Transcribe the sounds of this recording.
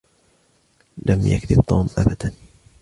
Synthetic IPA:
lʔamja̰kd̪ɪbt̪ˤːuːmʔabad̪an

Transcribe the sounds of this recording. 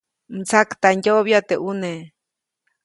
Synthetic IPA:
m̩t͡sakt̪anjooβjat̪eʔune

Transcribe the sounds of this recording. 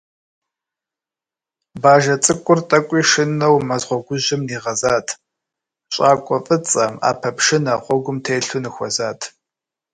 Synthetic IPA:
baːʒɐt͡sʼɨkʷʼʊrtʼɐkʷʼiːʂɨnɐwmɐzʁʷɔɡʷʊʑɪmniːʁɐzaːtʰ | ɕʼaːkʷʼɔfʼɨt͡sʼɐma̰ːpʰɐpʰʂɪnɐqʷɔɡʷʊmtʰeːɬʊnɨxʷɔzaːtʰ

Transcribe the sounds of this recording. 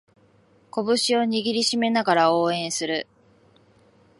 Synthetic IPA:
ko̞bɯ̟ɕio̞ɲ̟iɡʲiɾʲiɕime̞naɡaɾao̞ːẽ̞ɰ̃sɨɾɯ̟

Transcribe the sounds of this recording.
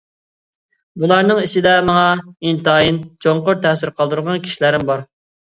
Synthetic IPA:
bulˠɑɾnɨŋit͡ʃʰid̪ɛmɑŋɑint̪ɑːjint͡ʃʰoŋqʊɾt̪ʰɛsɪɾqʰɑlˠd̪uɾʁɑnkʲʰi̥ʃilæɾɪmbɑɾ

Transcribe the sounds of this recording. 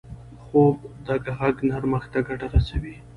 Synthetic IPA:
xobd̪əɡaɣaɡnaɾməxt̪aɡaʈaɾasawi

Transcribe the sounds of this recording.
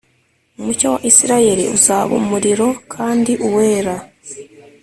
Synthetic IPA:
umucowaʔisiɾaje̞ɾḭuzaːβṵmuɾiɾo̞kʰaːndiʔuwe̞ːɾa

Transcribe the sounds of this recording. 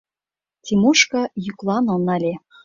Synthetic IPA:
tʲimuʃkɑjyklˠɑnɤ̆nɑlʲe

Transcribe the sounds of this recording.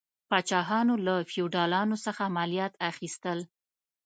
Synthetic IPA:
pɑt͡ʃɑɦɑnolafiuɖɑlɑnosəxaːmalijɑt̪axist̪əl

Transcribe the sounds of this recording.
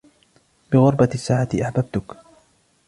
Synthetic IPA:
bɪɣʊɾˤbasːaːʕat̪ɪʔaħbab̚t̪ʊk

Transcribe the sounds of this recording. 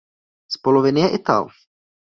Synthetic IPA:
spolovɪnɪjɛʔɪt̪a̰l

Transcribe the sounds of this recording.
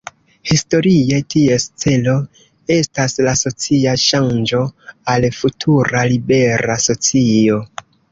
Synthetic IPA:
histo̞ɾie̞tie̞st͡se̞lo̞ | e̞staslaso̞t͡siaʃand͡ʒo̞alfutʰuɾalibe̞ɾaso̞t͡sio̞

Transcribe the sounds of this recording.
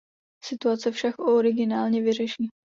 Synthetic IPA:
sɪt̪uat͡sɛfʃakʔoɾɪɡɪnaːlɲɛvɪr̝ɛʃiː

